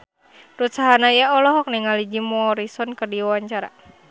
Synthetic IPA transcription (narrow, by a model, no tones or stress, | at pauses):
rut̪saɦanaijaɔlɔɦɔk̚nɛŋalid͡ʒimɔːɾisɔnkərdiwawaɲt͡ʃaɾa̰